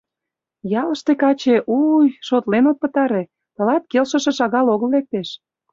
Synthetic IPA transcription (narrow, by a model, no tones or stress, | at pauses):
jɑlə̆ʃt̪ekɑt͡ɕeʔujʃot̪lenot̪̚pə̆t̪ɑɾe | t̪ə̆lɑt̪̚kelʃə̆ʃĕʃɑɣɑloɣəllːek̚t̪eʃ